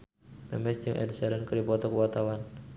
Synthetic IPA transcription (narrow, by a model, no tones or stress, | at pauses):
mɛmɛsəŋʔɛ̰dsɛɾənkəɾipɔt̪ɔkəwat̪awan